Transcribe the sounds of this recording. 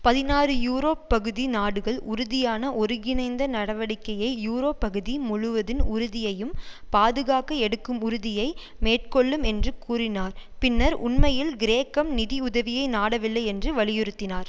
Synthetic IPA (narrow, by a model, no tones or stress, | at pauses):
pɐðɪnaːrɯjuːɾoːppːɐɣɯðinaːɽɯɣɐɭʊɾʊðɪjaːnɐʔɔɾɯɣɪnɐɪnd̪ɐnɐɽɐʋɐɽɪkːɐjɐɪjuːɾoːpːɐɣɯðimʊɻʊʋɐðɪnʊɾɯðɪjɐjɯmpaːðɯɣaːkɐɛɽɯkːɯmʊɾʊðɪjɐɪ | meːʈ̚kɔɭːɯmɛndrɯkuːrɪnaːɾpɪnːɐɾʔʊ̰nmɐjɪlɡɪɾeːkːɐmnɪðiʊðɐʋɪjɐɪnaːɽɐʋɪlːɐɪɛndrɯʋɐɭɪjɪɾɯt̪ːɪnaːɾ